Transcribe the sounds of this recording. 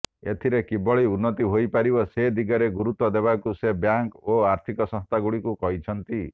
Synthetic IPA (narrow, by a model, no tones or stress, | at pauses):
et̪ʰiɾekibɔɭiunːɔt̪iɦojpaɾibɔsed̪iɡɔɾeɡuɾut̪wɔd̪eβakusebjaŋkoaɾt̪ʰikɔsɔ̃st̪ʰaɡuɭikukɔɦit͡ʃʰɔnt̪i